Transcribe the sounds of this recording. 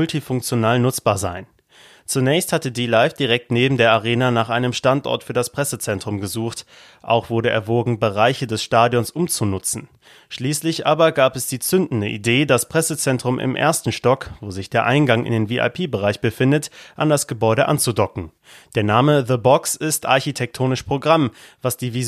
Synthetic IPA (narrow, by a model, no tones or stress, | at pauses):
ʊltifʊŋk̚t͡sjonaːlnʊt͡sb̥aːɐzaɪn | t͡sunɛːçsthatədiːlaɪfd̥iʁɛk̚tneːbm̩deːɐʔaʁ̞eːnanaːχʔaɪnəmʃtantʔɔ̰ɐtfyːɐdaspʁ̥ɛsət͡sɛntʁ̥ʊmɡəzuːxt | ʔa̰ʊxv̥ʊɐdɾəʔɛ̰ɐvoːɡŋ̩bəʁaɪçədɛsʃtaːdjɔnsʔʊmt͡sunʊt͡sn̩ | ʃliːslɪçʔaːbɐɡaːpɛsd̥iːt͡sʏndn̩dəʔḭdeːdaspʁ̥ɛsət͡sɛntʁ̥ʊmʔɪ̰mʔḛːɐstn̩ʃtɔkvoːzɪçd̥eːɐʔaɪnɡaŋʔɪ̰ndeːnviːʔa̰ɪpʰeːbəʁaɪçb̥əfɪndətʔandasɡ̥əbɔʏɾəʔa̰nt͡sudɔkŋ̩ | d̥eːɐnaːməðəbɔksɪstʔaɐçitʰɛk̚tʰoːnɪʃpʁ̥oɡʁamvasd̥iːvi